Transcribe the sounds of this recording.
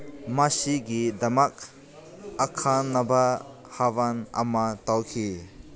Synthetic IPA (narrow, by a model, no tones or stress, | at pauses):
masiɡidɐmak̚ | akʰanːaba | havana̰matawkʰi